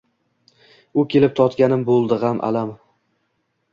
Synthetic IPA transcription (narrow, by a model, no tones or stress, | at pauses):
ʊkʲʰe̞lɪp̚t̪ʰɒt̪kʲanɪmbolˠd̪ɪʁamʔa̰lam